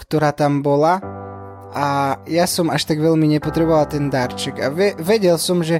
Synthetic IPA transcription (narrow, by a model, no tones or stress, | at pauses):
kt̪oɾaːt̪ambola | ʔajasɔmaʃt̪aɡvɛlmiɲɛpot̪ɾɛbovalt̪ɛnd̪aɾt͡ʃɛkavɛvɛɟɛlsɔmʒɛ